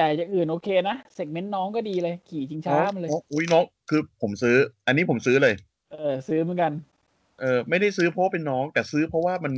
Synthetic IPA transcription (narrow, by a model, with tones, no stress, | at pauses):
t̪ɛː˨˩t͡ɕa˨˩k̚ʔɯː˨˩nʔoː˧kʰeː˧na˦˥ʔse˨˩t̪̚me˦˥nːɔː˦˥ŋkɔː˥˩diː˧lɤː˧jkʰiː˨˩˦t͡ɕi˧ŋt͡ɕʰaːɔ˦˥ma˧nlːɔː˧˦˥ʔuː˦˥jnɔː˦˥ŋkʰɯː˧pʰo˩˦msɯː˦˥ʔa˧nːiː˦˥pʰo˩˦msɯː˦˥lɤː˧j | ʔɤː˧sɯː˦˥mɯ˩˦nka˧n | ʔɤː˧˩ma˥˩jda˥˩jsɯː˦˥pʰɾɔ˦˥waː˥˩pe˧nːɔː˦˥ŋt̪ɛː˨˩sɯː˦˥pʰɾɔ˦˥waː˥˩ma˧n